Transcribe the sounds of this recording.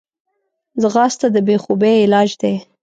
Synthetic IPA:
zəɣɑst̪ad̪əbexubeɪlɑd͡ʒd̪e

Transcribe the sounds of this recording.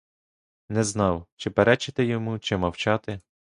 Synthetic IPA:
nɛznɑwt͡ʃɪpeɾɛt͡ʃɪt̪ɪjɔmut͡ʃɪmɐwt͡ʃɑt̪ɪ

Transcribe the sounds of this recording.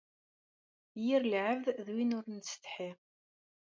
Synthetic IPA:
jiɾlʕəvððwinʊɾnst̪ħi

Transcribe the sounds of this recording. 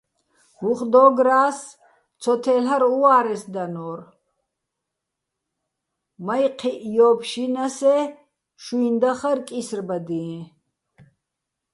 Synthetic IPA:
uχd̪ɔːɡɾaːs | t͡sʰɔt̪ʰɛlaɾuaːɾɛsd̪anɔːr | majqʰiʔjɔːbʃinasɛ | ʃuind̪aχarkʼisrbad̪iɛ̃

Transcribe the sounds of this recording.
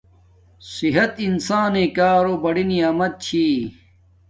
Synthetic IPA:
siɦɐt̪insaːnẽːkaːɾobɐɽiniaːmɐt̪̚t͡ɕʰi

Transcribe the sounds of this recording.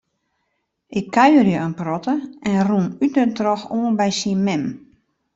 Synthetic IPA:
ʔɪkʰːaɥərjəənprɔtəɛnrunytnətrɔxoːnbɛjsiənmɛm

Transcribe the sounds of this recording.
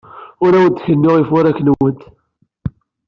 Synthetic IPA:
ʊɾæwənt̪ːçənːʊʁifʊɾækːnəwənt̪

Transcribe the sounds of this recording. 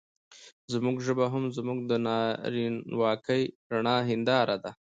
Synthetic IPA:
zmuɡʒəbaɦamzmuɡ̚d̪ənɑɾinwɑkəjɾaɳɑɦɪnd̪ɑɾad̪a

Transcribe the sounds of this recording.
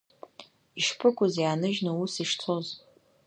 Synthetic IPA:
iʂpʰɨkʷʰʼʊzjaːnɨʒnausiʂt͡sʰoz

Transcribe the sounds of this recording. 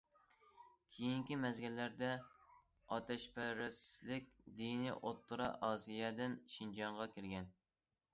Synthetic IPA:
kʲʰejiŋkʲimɛzɡʲilːæɾd̪ɛ | ɑt̪ʰɛʃpʰɛɾɪslɪkʲd̪iniʔot̪ʰːuɾɑ̰ʔɑːsijɛd̪ɪnʃind͡ʒɑɴʁɑkʲɪɾɡʲɛn

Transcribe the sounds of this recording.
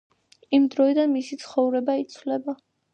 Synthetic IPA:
imd̪ɾɔid̪anmisit̪sʰχɔvɾɛbait̪sʰvlɛba

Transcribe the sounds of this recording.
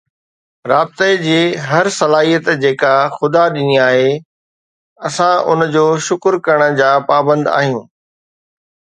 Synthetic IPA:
ɾaːb̚t̪ed͡ʑiːɦɐɾsɐlaːɦijət̪d͡ʑeːkaxʊd̪aɗɪniaːɦe | ɐsãʔʊ̰nd͡ʑoːʃʊkɾkɐəɽ̃̆d͡ʑaːpaːbə̃nd̪a̰ːɦijũː

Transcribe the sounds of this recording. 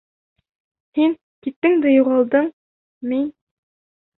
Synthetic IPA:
hiŋ | kit̪ːɘŋd̪æjuʁɑlˠd̪ɤɴ | min

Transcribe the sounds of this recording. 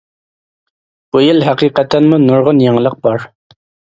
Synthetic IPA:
b̥ujilɦæqiːqæt̪ʰːænmunʊɾʁʊnjɑŋlˠəq̚bɑɾ

